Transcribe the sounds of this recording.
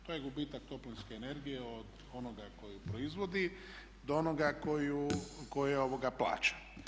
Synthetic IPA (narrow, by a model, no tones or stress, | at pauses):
t̪oːjeɡubiːt̪ak̚t̪o̞plinske̞ːne̞ɾɡijeod̪ | o̞noɡako̞jupɾo̞izʋo̞d̪i | d̪oonoɡakojuko̞jeo̞ʋoɡapla̰ːt͡ʃḁ